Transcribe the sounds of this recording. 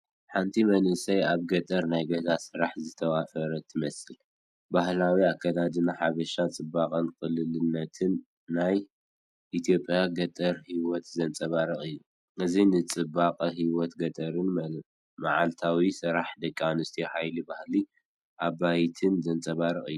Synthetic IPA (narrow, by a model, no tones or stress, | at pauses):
ħant̪ʰimɐnɨsɐjaβɡɐt̪ʼɐɾnajɡɐzasɨɾaħzɨt̪ʰɐwafɐɾɐt̪ʰːɨmɐsɨl | bahlawiakʰːɐd̪ad̪ɨnaħaβɐʃat͡sʼɨbːaqʼɐnkʼɨlɨlɨnːɐt̪ʰɨnː | aj | ʔit̪ʰjo̞pʼjaɡɐt̪ʼɐɾhiwɔt̪zɐnt͡sʼɐβaɾɨχʼɨjːu | ʔɨzinɨt͡sʼɨbaqʼɐɦiwɔt̪ɡɐt̪ʼɐɾɨn | maʕalt̪ʰawisɨɾaħd̪ɐkʼːanɨst̪ʰiħajlibahli | ʔabajt̪ʰɨnzɐnt͡sʼɐβaɾɨχʼɨ̰jːu